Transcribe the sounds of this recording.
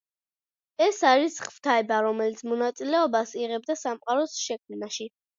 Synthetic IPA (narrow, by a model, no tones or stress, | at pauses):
ɛsaɾisχv̥t̪ʰaɛbaɾɔmɛlit̪sʰmɔnat̪sʼilɛɔbasiʁɛb̚d̪asamqʼaɾɔsʃɛk̚ʰmnaʃi